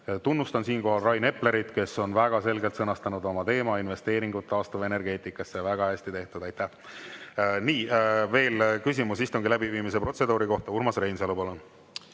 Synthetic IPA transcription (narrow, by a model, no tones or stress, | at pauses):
t̪unːust̪ɑnsiːnko̞ɦɑlrɑjne̞ple̞ɾit̪ke̞sːo̞nvæɡ̥ɑse̞lɡe̞lt̪sɤnɑst̪ɑnud̪o̞mɑt̪e̞ːmɑinve̞st̪e̞ːɾiŋɡ̥ut̪ˑːɑːst̪uve̞ne̞rɡe̞ːt̪ˑikːˑɑsːevæɡ̥ɑhæsʲt̪it̪e̞ht̪ud̪ɑjt̪ːæh | niːve̞ːlkys̬ʲimusist̪uŋɡ̥ilæbiviːmis̬e̞pro̞t̪se̞d̪uːɾiko̞ht̪ɑurmɑsre̞jnseɑlubolo